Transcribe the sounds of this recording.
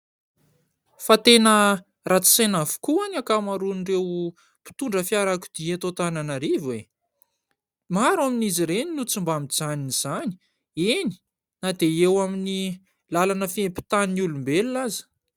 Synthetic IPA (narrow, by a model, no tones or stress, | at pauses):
fat̪enə | rat͡si̥sajnafu̥kuanakamaɾunrew | pi̥t̪uɳɖ͡ʐəfjaɾaku̥d̪̥iet̪ot̪ananaɾivwe | maɾaminiziɾeninut͡sumbamid͡zaniniz̥ani̥ | eni̥ | nad̪eewamini | lalanəfiempi̥t̪aninulumbelulazə̥